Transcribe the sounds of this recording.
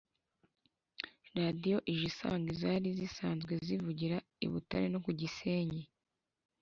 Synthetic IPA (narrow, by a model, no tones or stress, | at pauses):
ɾadijo̞ʔiʒisa̰ːŋɡizaːɾizisaːnzɡwe̞zivuɟiɾa | ḭβṵta̰ɾeno̞kuɟise̞ːɲe